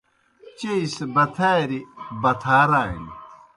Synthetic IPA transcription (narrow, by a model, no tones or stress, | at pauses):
t͡ɕeisbɐt̪ʰaɾibɐt̪ʰaːɾaːḭn